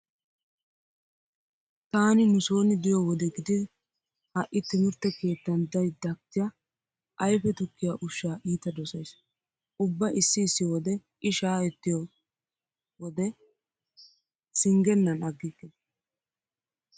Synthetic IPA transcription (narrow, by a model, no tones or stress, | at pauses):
t̪aːnɪnʊso̞ːnɪd̪ɪjɔwɔd̪ɛɡɪd̪ɪ | hɐʔːɪt̪ːɪmɪɾt̪ːɛke̞ːt̪ːɐnd̪ɐjd̪ɐkːɪjɐ | ʔɐjfɛt̪ʊkːɪjaʔʊʃːaːʔiːt̪ɐd̪ɔsɐjs | ʔʊbːɐʔɪsːɪːsːɪjɔwɔd̪ɛʔɪʃaːɛt̪ːɪjɔ | wɔd̪ɛ | sɪŋɡɛnːɐnɐɡːɪkːɛ